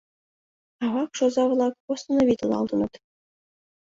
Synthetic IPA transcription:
ɑβɑkʂozɑʋɤ̆lˠɑkpost̪ɤ̆novit̪ʲɤ̆lˠɑ̰lˠd̪ɤ̆nɤ̆t̪

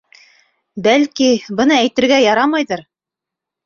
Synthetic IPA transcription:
bælkibɤ̆nɑæjt̪ɘ̆ɾɡæjɑɾɑmɑjðɤɾ

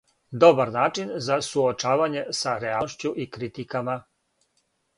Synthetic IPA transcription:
d̪o̞baɾnaːt͡ʃinzasuot͡ʃaːʋaɲe̞saɾeaʃt͡ɕuʔikɾit̪ikama

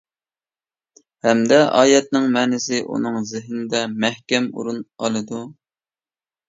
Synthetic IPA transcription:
hɛmd̪ɛʔɑ̰ːjɛt̪̚nɪŋmɛːnɪsɪʔṵnɨŋzɪɦnd̪ɛmæhkʲɛmṵɾunɑlˠɨd̪u

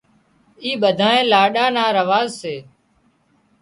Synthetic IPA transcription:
iːɓəd̪ʱaːẽːlaːɗaːnaːɾəʋaːzseː

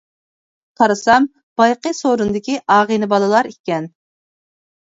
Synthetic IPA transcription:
qʰɑɾɨsɑm | b̥ɑjqəsoɾund̪ɪkʲiʔɑːʁənɨbɑlˠɨlˠɑɾikʲɛn

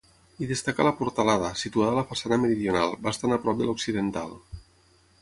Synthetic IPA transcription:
iðest̪aka̰lapuɾt̪alaðəsit̪uaðalafasanameɾiðjona̰lˠbast̪anapɾɔp̚d̪eloksiðent̪a̰lˠ

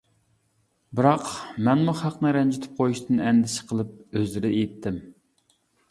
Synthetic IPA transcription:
bɨɾɑqmɛnmuχɑqnɨɾɛnd͡ʒyt̪ʰɪ̥p̚qʰojuʃt̪ɨnɛnd̪ɪsɪ̥qʰəlˠɨp̚øzlɪɾɪejɪt̪ʰːɪm

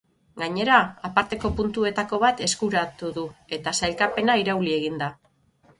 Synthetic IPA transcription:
ɡaɲe̞ɾaapaɾt̪e̞ko̞punt̪ue̞t̪ako̞β̞at̪e̞skuɾat̪uðue̞t̪asajlkape̞naiɾawlie̞ɣ̞ind̪a

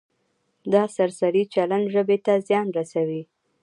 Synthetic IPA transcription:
d̪ɑsaɾsaɾit͡ʃalanʒəbet̪azjɑnɾasawi

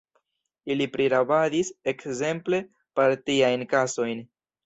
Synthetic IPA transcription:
ilipɾiɾabadise̞kze̞mple̞ | paɾtiajnkaso̞jn

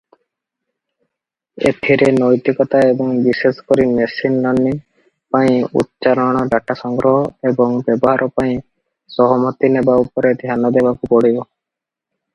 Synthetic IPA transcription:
ḛt̪ʰiɾenɔjt̪ikɔt̪aebɔŋbisesɔ̥kɔɾinesinlɔnːi | paĩṵt̪̚t͡ʃaɾɔɽ̃ɔɖaʈasɔŋɡɾɔɦɔebɔŋbjɔbɔɦaɾʔɔpaĩ | sɔɦɔmɔt̪inebaupɔɾed̪ʱjanɔd̪ebakupɔɽibo

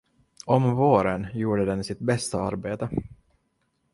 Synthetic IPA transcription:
ɔmvoːɾənjuːɖəd̪ɛnsɪt̪̚bɛst̪aa̰ɾbeːt̪ə

